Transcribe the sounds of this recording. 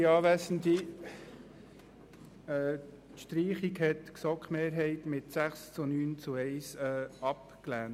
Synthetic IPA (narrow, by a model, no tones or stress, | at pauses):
iɑːʋæsən̩d̪i | ɛː | ʃtɾiːχikɦɛt̪ksɔkχmeːɾɦɛɪt̪mɪtsæχst͡sunyːnt͡suɛɪsɛːɑp | klæːn